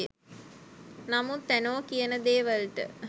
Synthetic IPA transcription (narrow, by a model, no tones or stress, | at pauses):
namut̪ːænoːkijənəd̪eːʋəlʈə̰